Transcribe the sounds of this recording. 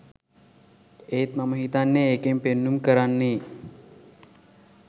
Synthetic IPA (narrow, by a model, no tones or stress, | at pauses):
eːt̪maməɦit̪anːeeːkempenːumkəɾanːe